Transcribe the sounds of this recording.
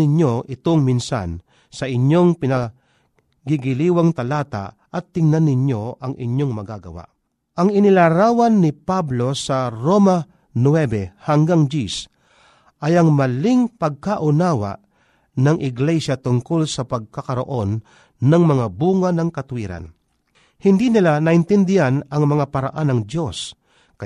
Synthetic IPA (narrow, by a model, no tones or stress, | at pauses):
ɪɲjo̞ʔɪt̪oŋmɪnsa̰n | sɐʔɪɲjoŋpɪnɐ | ɡɪɡɪliːwaŋt̪ɐlaːt̪a̰ | ʔɐt̪ːɪŋnanːɪɲjo̞ʔɐŋʔɪ̰ɲjoŋmɐɡaɡɐ̰wa̰ʔ | ʔɐŋɪnɪlaɾaːwɐnːɪpablo̞sɐɾoma | nwɛbɛhaŋɡaŋd͡ʒis | ʔɐjɐŋmɐliŋpɐɡ̚kaʔʊnaːwa̰ʔ | nɐŋʔɪɡlɛʃat̪ʊŋkolsɐpɐɡ̚kɐkɐɾo̰ʔonː | ɐŋmɐŋabuːŋanɐŋkɐt̪ʊwiːɾa̰n | hɪnd̪inɪlanaʔɪnt̪ɛnd̪ɪhanɐŋmɐŋapɐɾa̰ʔanɐŋd̪jo̞s | ka